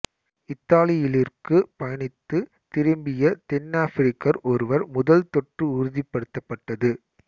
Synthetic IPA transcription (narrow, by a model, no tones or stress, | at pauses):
ɪt̪ːaːlɪjɪlɪrkɯpɐjɐɳɪt̪ːɯ | t̪ɪɾɯmbɪjɐt̪ɛnːaːfɪɾɪkːɐɾʔɔɾɯʋɐɾmʊðɐlt̪ɔʈrɯʊɾɯðɪpːɐɽɯt̪ːɐpːɐʈːɐðɯ